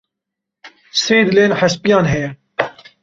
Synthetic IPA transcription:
seːd̪ɨleːnħaspijɑːnɦɛjɛ

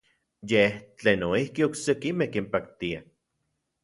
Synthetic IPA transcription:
jeht͡ɬeːnoihkioksekimehkimpak̚t̪ia

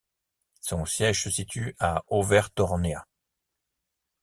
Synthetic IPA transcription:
sɔ̃sjɛʒsəsit̪ʰyaovɛʁt̪ɔʁnea̰

